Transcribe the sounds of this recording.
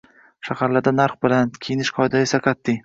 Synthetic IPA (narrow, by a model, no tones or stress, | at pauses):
ʃahaɾlaɾd̪anaɾχbɪlankʲʰejɪnɪʃqʰɒjd̪aesaqʰɑt̪ːɪ